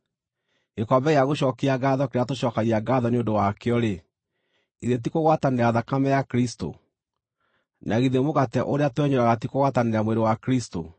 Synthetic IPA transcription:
ɣekɔbɛɣeaɣoɕɔkeaɡaðɔkeɾeatoɕɔkaɣiaɡaðɔneondowakeɔɾe | iðet̬ikoɣwataneɾeaðakamɛjakɾisto̰ | naɣiðemoɣatɛʔoɾeatowɛɲoɾaɣatikoɣwataneɾeamweɾowakɾisto̰

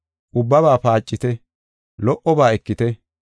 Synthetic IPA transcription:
ʔʊbːɐβaːpaːt͡ʃʼːɪt̪ɛ | lɔʔɔbaːɛkːɪt̪ɛ

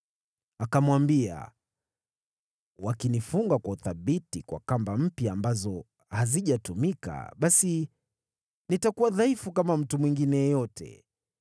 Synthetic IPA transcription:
akamwambia̰ | wakinifuŋɡakwauθaɓitikwa̰kambam̩pjaːmbazɔ | haziʄatumika̰ɓasi | nitakuwaðaifukamam̩tumwiŋɡinɛjɛjɔtʰɛ̰

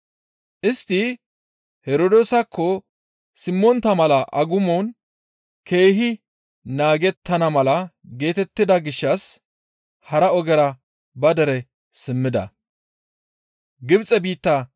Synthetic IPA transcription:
ʔɪst̪ːɪ | hɛɾod̪oːsɐkːɔ | sɪmːɔnt̪ːɐmɐlɐʔɐɡʊmon | ke̞ːɦɪ | naːɡɛt̪ːɐnɐmɐlɐɡe̞ːt̪ɛt̪ːɪd̪ɐɡɪʃːɐs | hɐɾɐɔɡɛɾɐ | bɐd̪ɛɾɛ | sɪmːɪd̪ɐ̰ | ɡɪbt͡sʼɛbiːt̪ːɐ

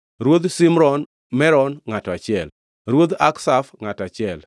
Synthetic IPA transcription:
ɾwod̪simɾɔn | mɛɾɔnŋatɔat͡ʃɪɛl | ɾwod̪aksafŋatat͡ʃɪɛl

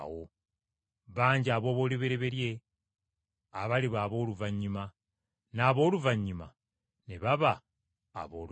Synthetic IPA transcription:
wo | βaːɲɟiaβo̞ːβo̞ːliβeɾeβe̞ɾje̞ | aβaliβaːβo̞ːluvaɲːima | naːβo̞ːluvaɲːima̰ | neβaβa̰ː | βoːl

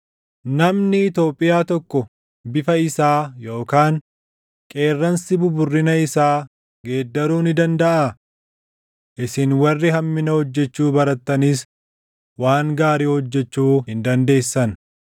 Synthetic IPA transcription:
nɐmnɪɪt̪o̞ːpʼːɪjaːt̪ɔkːɔ | bɪfɐɪsaːjo̞ːkaːŋ | kʼe̞ːrːɐnsɪbʊbʊrːɪnɐɪsaː | ɡe̞ːd̪ːɐɾuːnɪd̪ɐnd̪ɐʔa | ʔɪsɪnwɐrːɪɦɐmːɪnɐhɔd͡ʒːɛt͡ʃːuːbɐɾɐt̪ːɐnis | waːŋɡaːɾiːhɔd͡ʒːɛt͡ʃːuːhɪnd̪ɐnd̪e̞ːsːɐn

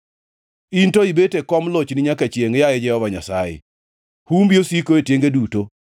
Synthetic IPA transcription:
intoibetekɔmlot͡ʃnɪɲakat͡ʃjeŋjajɛd͡ʒɛhɔvaɲasa̰jɪ̰ | humbiosikoetjeŋɡeduto

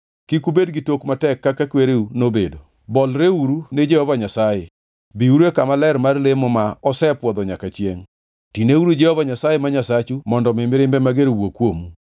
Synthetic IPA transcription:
kikubedɡɪtokmatɛkːakakweɾeunobedo | bɔlɾeuɾuned͡ʒɛhɔvaɲasaje | biuɾekamalɛɾmarlemomaɔsɛpwɔd̪ɔɲakat͡ʃjeŋ | tineuɾud͡ʒɛhɔvaɲasajɛmaɲasat͡ʃumɔndɔmɪmɪɾɪmbɛmaɡeɾwokwomu

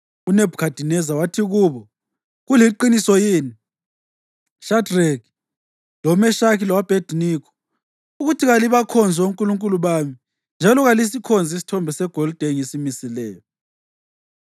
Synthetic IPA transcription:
uneb̥ʱukʰad̥ʱinɛzawatʰiɣuːβɔ | ɣuliǃinisɔjeːni | ʃadreɡ | lɔmɛʃakilawab̥ʱed̥ʱnikʰɔ̥ | uɣutʰiɣaliβakʰɔnd͡zʱɛuŋkʼuluŋkʼuluβaːmi | nd͡ʒʱalɔɣalis̬ikʰɔnd͡zʱisi̥tʰɔmbʱɛsɛɡ̥ʱɔld̥ʱeŋesimisilɛːjɔ

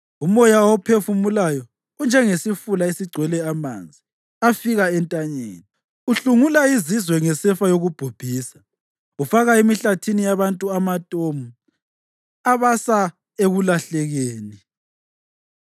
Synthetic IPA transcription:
umɔjawɔpʰefumulajɔ | und͡ʒʱɛŋesifulaesiɡ͡ǀʱwɛlɛama̰nd͡zʱi | afiɣaɛntʼaɲḛːni | uɬuŋulaizizwɛŋɛsɛfajoɣub̥ʱub̥ʱiːsḁ | ufaɣaemiɬatʰinijaβantʼuamatʼomu | aβasa | eɣulaɬɛɣeːni

